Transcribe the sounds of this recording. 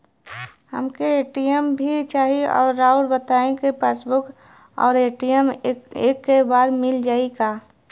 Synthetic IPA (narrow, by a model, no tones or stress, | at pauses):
hə̰mkeeːʈijəmbʱit͡ʃaːɦiɔ̰ːɾːaːʊɾbət̪aːẽkepeːsbʊk | ɔ̰ːɾeːʈijəmeːkːebaːɾmɪld͡ʒaːikaː